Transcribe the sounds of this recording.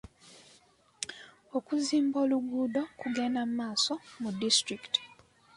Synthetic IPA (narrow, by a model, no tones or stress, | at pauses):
okuziːmboːluɡuːdokuɡenammaːsomudːistɾikti̥